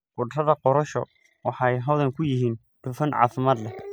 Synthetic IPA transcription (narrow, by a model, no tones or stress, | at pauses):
qʊɖrɐðɐqɔɾɐʃɔ̰ | wɑħɑjɦɔðɛŋkʰʊjɪɦiːn | ɖ̥ʊfɐnʕɑ̰ːfɪmaːd̪lɛ